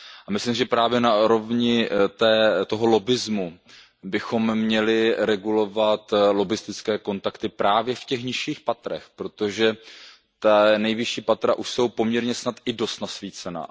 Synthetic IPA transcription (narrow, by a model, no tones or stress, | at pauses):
ʔamɪslimsɪʒɛpɾaːvjɛnauɾo̞vɲɪt̪ɛːt̪o̞ɦo̞lo̞bɪzmu | bɪxo̞mmːɲɛlɪɾɛɡulo̞vat̪lo̞bɪst̪ɪt͡skɛːko̞nt̪akt̪ɪpɾaːvjɛfcɛxɲɪʃiːxpat̪ɾɛ̰xpɾo̞t̪oʒɛ | t̪anɛjvɪʃiːpat̪ɾa̰ʔuʃso̞wpo̞mɲɛɾɲɛsnat̪ɪdo̞st̪nasviːt͡sɛna̰